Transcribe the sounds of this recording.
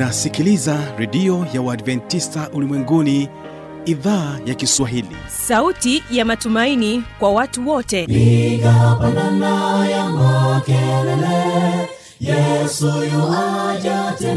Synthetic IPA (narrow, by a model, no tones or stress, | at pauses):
asikilizaɾɛɗiɔjawaːdvɛntistaʔulimwɛŋɡuni | iðaːjakiswaɦilḭsautijamatumainikwawatuwɔtɛiɡapananajamakɛlɛlɛ | jɛsujɔwad͡ʒatɛ